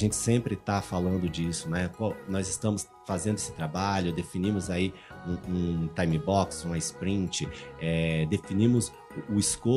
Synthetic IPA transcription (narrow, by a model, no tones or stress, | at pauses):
ʒẽnt͡ʃɪ̥sẽmpɾɪt̪afalɐ̃nd̪ʊd͡ʒisʊnɛkawnɔzɪst̪ɐ̃mʊs | fazẽnd̪ʊe̥sɪ̥t̪ɾabaʎʊd̪efinĩmʊzaiũũt̪ajmibɔksũɐɪspɾĩnt͡ʃɪɛd̪efinĩmʊz | ʊʊɪsko